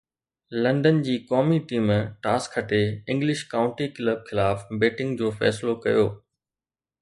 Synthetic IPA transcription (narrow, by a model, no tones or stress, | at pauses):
lɐ̃ɳɖənd͡ʑiːkɔːmiʈiːmʈaːskʰːɐʈeɪ̃ŋɡlɪʃkaːʊ̃ɳʈikɪləb̚xɪlaːfbeːʈɪ̃ŋɡd͡ʑoːfɛ̰ːslokɐjoː